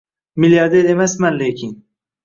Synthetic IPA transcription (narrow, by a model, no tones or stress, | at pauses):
miljɑɾd̪eɾemasmanlekʲʰin